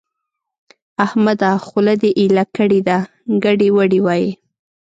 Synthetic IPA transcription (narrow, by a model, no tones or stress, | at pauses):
ahmad̪ɑxʊlad̪eʔilakəɽed̪a | ɡaɽewəɽiwɑji